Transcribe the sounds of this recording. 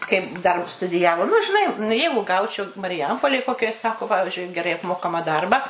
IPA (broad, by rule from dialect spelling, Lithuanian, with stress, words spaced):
kɐɪp dɐr stʊdʲɪˈjæːʋoː nʊ ʒʲɪˈnɐɪ nʊ ˈjɛɪɡʊ ˈɡɐʊt͡ʃʲɛʊ mɐrʲɪˈjɛmpoːlʲeːj ˈkoːkʲoːj ˈsɑːkoː ˈpɑːʋʲɪʒʲʊɪ ɡʲɛˈrɐɪ ɐpˈmoːkɐmɐ ˈdɐrbɑː